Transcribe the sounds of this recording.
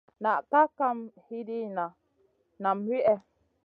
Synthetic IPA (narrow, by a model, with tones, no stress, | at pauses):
na˨ʔka˦ka˦mhi˦di˦na˨ | na˨mwi˦ʔɛ˦